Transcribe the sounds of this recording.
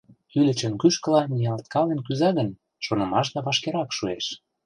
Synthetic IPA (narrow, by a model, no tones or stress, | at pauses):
ylə̆t͡ɕə̆nkyʃkə̆lɑnijɑlt̪̚kɑlenkyzɑɣə̆n | ʃonɤ̆mɑʃ̬d̪ɑβɑʃkeɾɑkʃueʃ